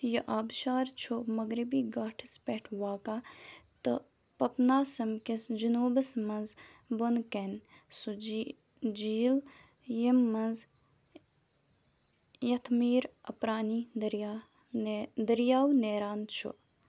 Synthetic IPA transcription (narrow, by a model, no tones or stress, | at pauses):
jɐʔaːbʃaːɾt͡ʃʰomɐɡɾibiːɡaːʈʰɨspeʈʰwaːkaːt̪ɨ̰ | pɐpnaːsɐmkɪsd͡ʒunuːbəsmɐnz | bonken | su | d͡ʒiːl | jimːɐnz | jɐt̪ʰmiːɾɐpɾaːniːd̪ɾ | d̪ɐɾijaːwneːɾaːnt͡ʃʰṵ